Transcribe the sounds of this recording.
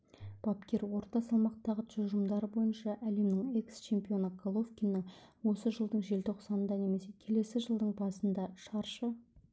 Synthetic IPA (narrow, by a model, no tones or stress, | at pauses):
b̥ɑpkʲe̞ɾwo̞ɾt̪ɑsɑlˠmɑqt̪ɑʁəʒʊʒəmd̪ɑɾəbo̞jənʃɑʔæle̞mnɪŋe̞kst͡ʃʰe̞mpʲio̞nəɡolˠo̞vkʲinːɪŋwo̞səʒəlˠd̪əɴʒe̞lt̪ʰoqsɑnənd̪ɑne̞me̞se̞kʲʰe̞le̞sɪʒəlˠd̪əɴbɑsənd̪ɑʃɑɾʃə